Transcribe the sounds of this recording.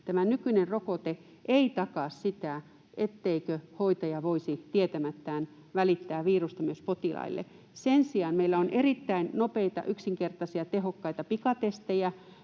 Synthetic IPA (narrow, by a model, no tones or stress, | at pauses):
t̪æmænykynerrokot̪e | ʔeit̪ɑkɑˑssit̪æ | ʔet̪ːeikøhoit̪ɑjɑʋoisit̪iet̪æmæt̪ːæːn | ʋælit̪ːæːʋiːrust̪ɑmyøspot̪ilɑ̰ilːḛ | sensiɑnmeilːæonʔerit̪ːæinnopeit̪ɑ̰ʔyksiŋkert̪ɑsiɑt̪eɦokːɑit̪ɑpikɑt̪est̪ejæ